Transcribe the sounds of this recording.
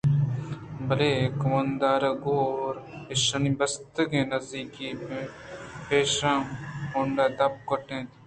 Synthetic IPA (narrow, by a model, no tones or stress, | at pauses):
bɐleːkʊmɐ̃nd̪aːɾɐɡoːoːɾɪʃɐnibɐst̪əɡẽːnɐzd̪iːkiːmẽpeːʃɾãːmoɳɖaːd̪ɐp̚kɐʈẽːt̪ː